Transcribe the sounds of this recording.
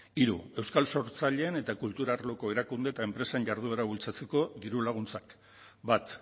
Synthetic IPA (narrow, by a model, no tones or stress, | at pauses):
iɾṵe̞wskalso̞ɾt͡saʎe̞ːne̞t̪akult̪uɾaɾlo̞ko̞e̞ɾakund̪e̞t̪ae̞mpɾe̞senɟaɾð̞ueɾaβult͡sat͡se̞ko̞ðiɾulaɣ̞unt͡sak | bat̪